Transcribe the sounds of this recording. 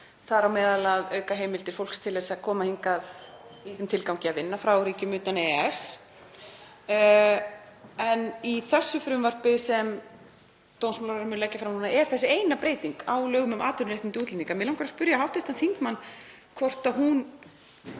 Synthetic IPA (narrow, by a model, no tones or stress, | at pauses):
θaɾawmɛːðalaðœːɥkaɦejmɪlt̪ɪɾ̥fowlkst̪ʰɪlɛsakʰɔːmahiŋkaðiθʏmt̪ʰɪlkawcɪaðvɪnːafɾawɾiːcɪmʏːt̪anɛɛs | ɛniθɛsːʏfɾʏmvar̥pɪsɛm | t̪ownsmalaɾaɾmʏnlɛcːafɾamhunaʔɛɾ̥θɛsːɪejnapɾeːjt̪iŋkaːwlœːɣʏmʏmʔaːt̪ʏɾnɾeht̪nɪnt̪ɪuːt̪lɛniŋkamɪːlawŋkʰaɾaspʏɾjaɦawht̪ʏht̪anθiŋkmanː | kʰvɔr̥t̪aɦun